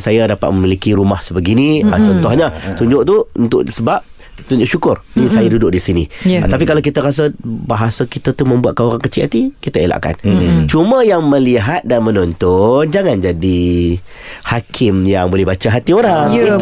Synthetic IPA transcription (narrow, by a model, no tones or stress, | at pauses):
sajadapa̰t̪̚məmilikiɾumahsəbəɡiniat͡ʃɔnt̪ɔhɲət̪uɲd͡ʒʊʔt̪uṵnt̪ʊ̰ʔsəbap̚ | t̪uɲd͡ʒʊʔʃukʊrnĩsajadudʊʔ̚disinḭt̪apikalawkit̪aɾas̬əbaɦasakit̪at̪umə̃mbua̰t̪̚kaoɾaŋkət͡ʃɪlʔa̰t̪ikit̪aela̰ʔka̰nt͡ʃuməjaŋməliɦat̪̚danmənɔnt̪ɔnd͡ʒaŋand͡ʒadi | hakʰɪmjaŋbolɛhɦbat͡ʃaɦat̪ioɾaŋ